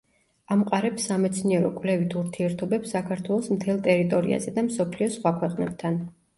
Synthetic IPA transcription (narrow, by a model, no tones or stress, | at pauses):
amqʼaɾɛpsːamɛt̪sʰniɛɾɔ̰kʼvlɛvit̪ʰuɾt̪ʰiɛɾt̪ʰɔbɛpsːakʰaɾt̪ʰwɛlˠɔsmt̪ʰɛlˠt̪ʼɛɾit̪ʼɔɾḭa̰zɛd̪amsɔpʰliɔsχwakʰwɛqʼnɛb̥̚t̪ʰan